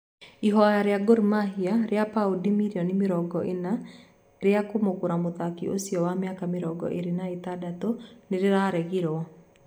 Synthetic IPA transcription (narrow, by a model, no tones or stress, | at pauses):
iɦɔajaɾeaɡoɾimaɦiaɾeapaudimiɾiɔnɪmeɾɔɡɔʔena | ɾeakomokoɾamoðakiʔo̰siɔwamjakameɾɔɡɔ̰ʔeɾenaetadatoneɾeɾaɾɛɣiɾɔɔ